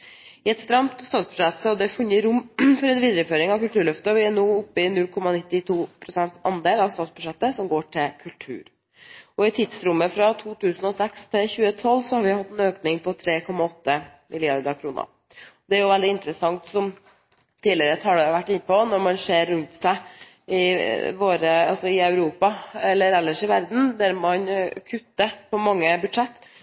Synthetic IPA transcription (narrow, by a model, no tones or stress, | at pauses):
ɪɛt̪st̪ɾɑmt̪st̪ɑːt̪sbʉ̥ʂɛt̪sɔd̪ɛfʉnjəɾʊmːfɔɾɛnʋiːd̪ɾəføːɾɪŋɑʋkʉlt̪ʉːɭœft̪əʋɪænuːʊpːɪnʉlkʰɔmːɑnɪt̪ːɪt̪ʰuːpʰɾʊsɛnt̪sɑnd̪eːlɑʋst̪ɑːt̪sbʉʂɛt̪ːəsɔmɡoːʈʰɪlkʰʉlʈ̪ʰʉ̰ːɾ | ɔɪt̪ʰɪd̪sɾʊmːəfɾɑt̪ʰuːt̪ʰʉːsən̩ɔsɛkst̪ʰɪlçʉːət̪ʰɔlːsɔhɑɾʋɪhɑt̪ːɛnøːknɪŋpʰɔt̪ʰɾeːkʰɔmːɑɔt̪ːə | mɪlɪɑɾd̪əɾkʰɾuːnə̰ | ɔd̪ɛæɾjʊʋɛld̪ɪɪnt̪əɾəsɑŋt̪sɔm | t̪iːdlɪəɾət̪ʰɑːɖɛʋæʈːɪnːəpɔnɔɾmɑnseːɾːʉnt̪sæɪ | ɪʋoːɾəɑ̰lsɔɪɑʉɾuːpɑɛlːəɾɛlːəʂɪʋæɾd̪n̩d̪æɾmɑnkʰʉt̪ːəpʰɔmɑŋːəbʉd̪ʂɛt̪ː